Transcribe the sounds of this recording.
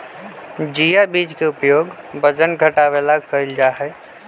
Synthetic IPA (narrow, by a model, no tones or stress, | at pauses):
d͡ʒijabiːd͡ʒkeʊpjoːɡ | bəd͡ʒənɡʱəʈaʋelakəɪld͡ʒaːɦɛː